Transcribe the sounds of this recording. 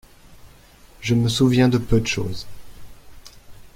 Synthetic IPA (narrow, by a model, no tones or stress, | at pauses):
ʒəməsuvjɛ̃d̪əpød̪əʃo̰ːz